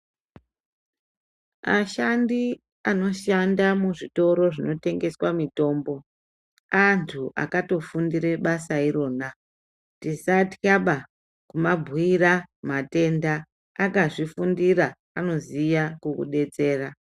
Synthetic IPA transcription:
a̰ʃandi | ano̞ʃandamuʐito̞ɾo̞ʐino̞te̞ŋɡe̞swamito̞ːmbo̞ | antʰuʔa̰kato̞fundiɾe̞ɓasaiɾo̞ːna | tisatikaɓa | kumabʱuiramate̞ndaː | kaʐifundiɾaː | no̞zijakukṵɗe̞t͡se̞ːra

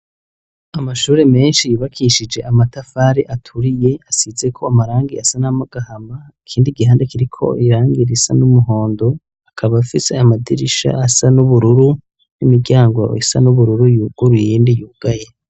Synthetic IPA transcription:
amaʃuːɾe̞me̞ːnʃijiβakʰiʃid͡ʒe̞ʔamatafaːɾiʔatʰuɾije̞asize̞kʰo̞amaɾaːŋɡiasanamaɡ̥ahamaikʰiːndiɡiɦaːndekiɾikʰo̞̰iɾaːŋɡiɾisa̰numuɦo̞ːndo | akʰaβafise̞amadiɾiʃa̰ʔasanuβuɾuɾu | nimiɟaːŋɡwo̰ḭsa̰nuβuɾuɾujuːɡ̥uɾujejindijuːɡ̥aje

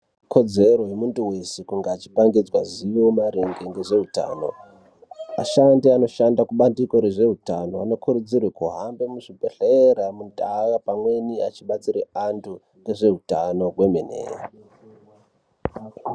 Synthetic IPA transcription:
kʰo̞d͡ze̞ɾo̞jemunduwe̞sekuŋɡaːt͡ʃi̥paŋɡid͡zwa̰ziwomaɾeŋɡeŋɡe̞ʐe̞ɦuta̰ːno̞̰ | a̰ʃandiano̞ʃandakuɓandiko̞ɾe̞ʐe̞ɦutano̞ano̞kʰuɾud͡zirwekuɦambemuʐibʱeɬeɾamuntakapamwe̞niat͡ʃiɓat͡siɾeantʰu | eʐe̞ɦutano̞we̞menḛːra

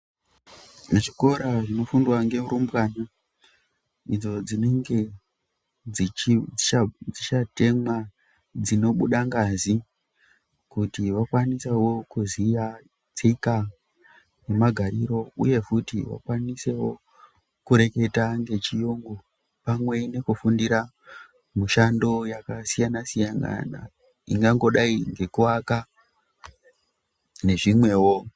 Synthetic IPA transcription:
neʐiko̞ɾaʐino̞fundwaŋɡe̞muɾumbɣana | id͡zo̞d͡zineŋɡe | iiad͡zit͡ʃate̞mwa | d͡zino̞ɓuɗaŋɡazi | kutiʋakwanisewo̞kuzija | t͡seika | ne̞maɡʱaɾiɾo̞ṵje̞futiʋa̰kwanisewo̞ | kuɾe̞ke̞taŋɡe̞t͡ʃijoŋɡo | pamwe̞ne̞kufundiɾa | muʃando̞jakasijanasijaŋɡa̰na̰ | ḭŋɡaŋɡo̞ɗaiŋɡe̞kuwaka | ne̞ʐimwe̞ːwo̞

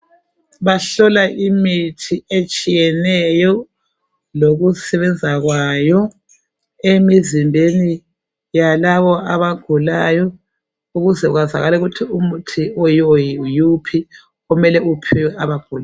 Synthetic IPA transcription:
βaɬɔlaʔimitʰiet͡ʃʼijɛnɛjɔ | loɣusɛβɛnd͡zʱaɣwajɔ | emizimbʱeni | jalaβɔʔaβaɡ̥ʱulajɔ | uɣuzɛuɣaza̰ɣalɛɣutʰiumutʰiɔjojiujupʰi | ɔmɛlɛupʰɛjɛʔaβaɡ̥ʱula

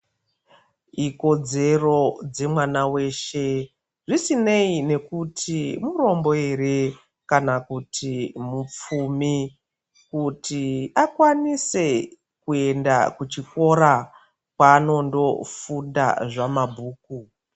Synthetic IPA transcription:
iko̞d͡ze̞ro̞d͡ze̞mwanawe̞ʃe̞ | ʐisine̞ine̞kutʰimuɾo̞mbo̞e̞ɾe̞ | kanakutʰimup͡fumi | kutiakwanise̞ | kue̞nda̰kut͡ʃiko̞ɾa | kwaːno̞ndo̞̰funda̰ʐamabʱuːk̚u

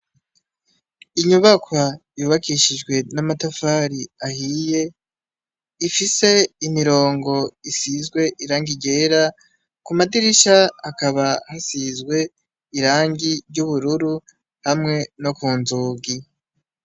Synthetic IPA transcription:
iɲuβakwajuːβakiʃid͡ʒɡwe̞namatafaɾiahije̞ | ifise̞imiɾo̞ːŋɡo̞isizɡwe̞ʔiɾaːŋɡiɟe̞ːɾa | kumadiɾiʃaːkaβahasizɡwe̞ | iɾaːŋɡiɾɟuβuɾuɾu | hamŋe̞no̞kuːnzuːɡi

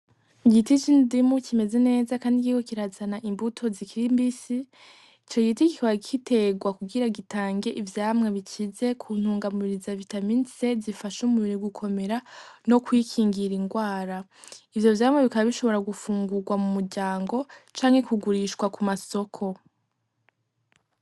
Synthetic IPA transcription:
iɡitit͡ʃindimucʰime̞ze̞ne̞ːzakaːndikiɡokiɾazanaʔimbutʰo̞zikʰiɾimbisi | t͡ʃojitikikaβakʰite̞ɡwakuɡiɾaɡitaːŋɡe̞ʔivjaːmŋeβit͡ʃize̞kʰun̥huːŋɡamuβiɾizavitaminse̞zifaʃumuβiɾiɡukʰo̞me̞ɾano̞kwiːkʰiːŋɡiɾiŋɡwaːɾa | ivjo̞vjaːmŋe̞βikaβaβiʃo̞βo̞ɾaɡufuːŋɡuɡwamumuɾɟaːŋɡo̞t͡ʃaːŋhe̞kuɡuɾiʃkwakumaso̞kʰo̞

